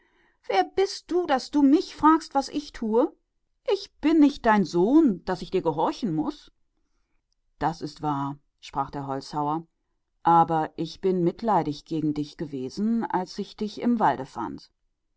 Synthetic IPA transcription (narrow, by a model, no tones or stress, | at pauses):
v̥eːɐbɪst̚d̥uːdasd̥uːmɪçfʁ̥aːkstv̥asʔɪçtʰuːə | ʔɪçb̥ɪnːɪçt̚d̥aɪnzoːnd̥asɪçd̥iːɐɡəɦɔɐçn̩mʊs | d̥asɪstv̥aːɐ | ʃpʁ̥aːχd̥eːɐɦɔlt͡shaʊɐ | ʔaːbɐʔɪçb̥ɪnmɪtlaɪɾɪçɡ̥eːɡŋ̩dɪçɡ̥əveːzn̩a̰lsɪçd̥ɪçɪ̰mvaldəfa̰nt